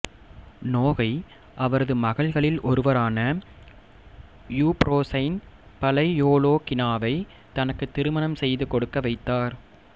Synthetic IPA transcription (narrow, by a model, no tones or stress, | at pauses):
noːɣɐɪ | ʔɐʋɐɾɐðɯmɐɣɐɭɣɐɭɪlɔɾɯʋɐɾaːnɐ | juːpɾoːsɐɪnpɐlɐɪjoːloːkɪnaːʋɐɪ | t̪ɐnɐkːɯt̪ːɪɾɯmɐnɐmsɛjðɯkɔɽɯkːɐʋɐɪt̪ːaːɾ